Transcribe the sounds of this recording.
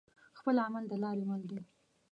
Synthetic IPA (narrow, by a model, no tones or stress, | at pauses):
xpəlamald̪əlɑɾemald̪e